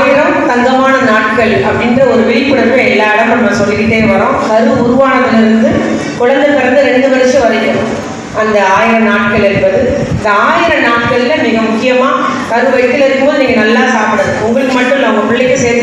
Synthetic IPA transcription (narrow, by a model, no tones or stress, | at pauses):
jɪɾɐmt̪ɐŋɡɐmaːnɐnaːʈkɐɭɐpːɐɽɪndɾɐɔɾɯʋɪɾɪpːɯɽɐɾʋẽɛlːaːɪɽɐmːɐmːɐsɔlːɪɾɪʈ̪ːeːnʋɐɾõːɐɾɯɯbʊɾɯʋaːnɐðɪlɪɾɯnd̪ɯ | kʊɻɐnd̪ɐlkɐɽɐnd̪ɐɾɛɳɖɯʋɐɾɐt͡ʃːɐ̃ʋɐðɪkːɐɳʊ̃ | ʔɐnd̪ɐaːjɪɾɐnaːʈ̚kɐɭɪɾɯnbɐðɯɪnd̪ɐaːjɪɾɐnaːʈ̚kɐɭɪlɐmɪːɣɐmʊkːɪjɐmaːkɐɾɯʋɐɪk̪ːɪlɪɾɯkːɯmbɐðɯniːŋɡɐnɐlːaːsaːpɯɽɐðɯʊŋɡɐɭɯkːɯmɐʈːʊ̃mnɐmːɐpʊɭːɪkːɯseːɾt̪